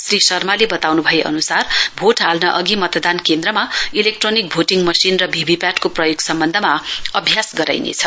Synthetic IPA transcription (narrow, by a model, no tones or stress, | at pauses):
srisʌrmalebʌt̪awnubʱʌjeʔʌ̰nusarbʱoʈɦalnʌʔʌɡimʌt̪ʌd̪ankend̪ɾʌmailek̚ʈronik̚bʱoʈiŋmʌsinrʌbʱibʱipjaʈkoprʌjoɡsʌmbʌnd̪ʱʌmaʌbʱjasɡʌɾa̰jnḛt͡sʰʌ